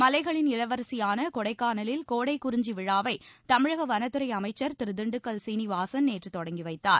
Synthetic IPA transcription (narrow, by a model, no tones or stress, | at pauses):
mɐlɐɪɣɐɭɪnɪlɐʋɐɾsɪjaːnɐkɔɽɐɪkːaːnɐlɪlkoːɽɐɪkʊɾɪɲd͡ʒiʋɪɻaːʋɐɪt̪ɐmɪɻɐɣɐʋɐnɐt̪ːɯɾɐɪɐmɐɪt͡ʃːɐɾt̪ɪɾɯd̪ɪɳɖɯkːɐlsiːniʋaːsɐnneːʈrɯt̪ɔɽɐŋɡiʋɐɪt̪ːa̰ːɾ